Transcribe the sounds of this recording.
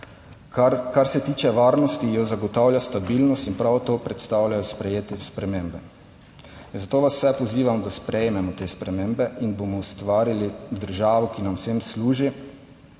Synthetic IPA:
kaɾsɛt̪iːt͡ʃɛʋaːɾnɔst̪ijɔzaɡɔt̪awlʲjast̪abilnɔst̪inpɾawt̪oːpɾɛt̪st̪aːwlʲjajɔspɾɛjeːt̪ispɾɛmeːmbɛ | nzat̪oːʋasw̥sɛpɔziːʋamd̪aspɾɛjmɛmɔt̪eːspɾɛmeːmbɛʔinbomɔust̪ʋaːɾilid̪əɾʒaːʋɔkinamsemsluːʒi

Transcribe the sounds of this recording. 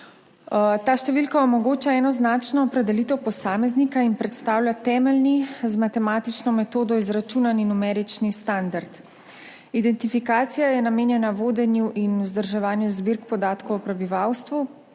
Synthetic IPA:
t̪aːʃt̪ɛʋilkaɔmɔɡoːt͡ʃaɛːnɔznat͡ʃnɔːpɾɛd̪ɛlit̪ɛwpɔsaːmɛznikainpɾɛt̪st̪aːwlʲjat̪ɛːmɛlnizmat̪ɛmaːt̪it͡ʃnɔmɛt̪oːd̪ɔizɾat͡ʃuːnaninumɛːɾit͡ʃnist̪and̪aɾt̪ | id̪ɛnt̪ifikaːt̪sijajɛnameːnjɛnaʋoːd̪ɛnjuʔinuzd̪əɾʒɛʋaːnjuzbiɾkpɔd̪aːt̪kɔwɔpɾɛbiʋawst̪ʋu

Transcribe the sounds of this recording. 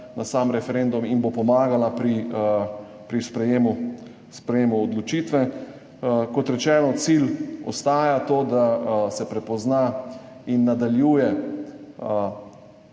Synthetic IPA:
nasamɾɛfɛɾend̪uminbopɔmaːɡalapɾi | pɾispɾɛjeːmu | spɾɛjeːmuɔd̪lɔt͡ʃiːt̪ʋɛ | kɔt̪ɾɛt͡ʃɛːnɔt̪silɔ̰st̪aːjat̪oːd̪asɛpɾɛpɔzna | inːad̪aljuːjɛ

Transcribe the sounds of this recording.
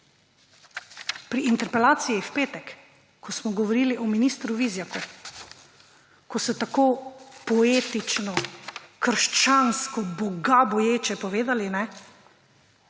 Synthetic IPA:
pɾiːnt̪ɛɾpɛlaːt̪sijiwpeːt̪ɛkː | ɔsmɔɡɔʋɔɾiːliʔɔminist̪ɾuʋizjaku | kɔsɔt̪akoːpɔeːt̪it͡ʃnɔkəɾʃt͡ʃanskɔbɔɡabɔjeːt͡ʃɛpɔʋeːd̪alinɛ

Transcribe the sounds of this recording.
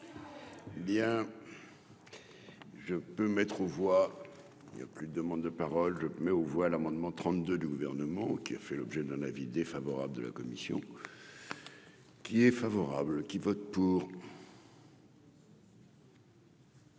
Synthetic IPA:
bjɛ̃ | ʒəpømɛt̪χovwa | ilnja̰plyd̪əd̪əmɑ̃d̪ːəpaʁɔlʒəmɛovwalamɑ̃d̪mɑ̃t̪χɑ̃t̪̚d̪ød̪yɡuvɛʁnəmɑ̃kʲiafɛlɔbʒɛd̪ɛ̃navid̪efavɔʁa̰bld̪ə̰la̰kɔmisjɔ̰̃ | kʲiɛfavɔʁablkʲivɔt̪̚puːʁ

